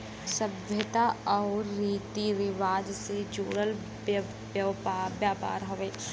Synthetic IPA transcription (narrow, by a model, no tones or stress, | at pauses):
sɐbʱjət̪aɔːɾːiːt̪iʋɪʋaːd͡ʒsed͡ʒo̰ːɽəl | jabjaːpa̰ːɾɦoʋeː